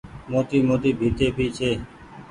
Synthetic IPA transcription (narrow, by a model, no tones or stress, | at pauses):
moːt̪iːmoːt̪iːbʱiːt̪eːbʱiːt͡ʃʰeː